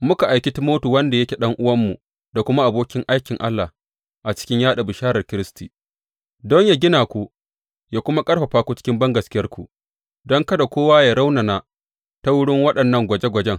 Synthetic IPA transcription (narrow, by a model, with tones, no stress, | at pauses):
mʊ˦ka˨ʔa˨jkʲi˦tɪ˦moː˦tu˨wɐ˦nda˨jɐ˦kʲe˨ɗɐ˦ŋʔʊ˦wɐ˦mːu˨ | da˨kʷʊ˦ma˦ʔa˨boː˦kʲɪ˦ŋʔa˦jkʲɪ˨ŋʔa˦lːa˨ | ʔa˨t͡ʃɪ̥˦kʲɪ˦ɲjaː˦ɗa˨bɪ˨ʃaː˦ɾɐ˨rkʲɪ˦ɾɪ˦stiː˨ | dɔ˦ɲjaː˨ɡʲɪ˦naː˨kʷu˦ | jaː˨kʷʊ˦ma˦kʼɐ˦rɸɐ˨ɸaː˦kʷu˦t͡ʃɪ̥˦kʲɪ˦mbɐ˦ŋɡɐ˨skʲɪ˦jɐ˦rkʷu˨ | dɔ˦ŋkɐ˦da˨kʷoː˦waː˦ja˨ɾa˦wna˨na˨ | ta˦wʊ˦ɽɪ˦ŋwɐ˦ɗɐ˨nːɐ˦ŋɡʷɐ˨d͡ʒe˦ɡʷɐ˨d͡ʒɛ˦ŋ